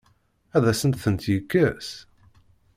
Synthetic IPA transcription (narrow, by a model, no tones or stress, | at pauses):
æðæsənt̪θənt̪jəkːəs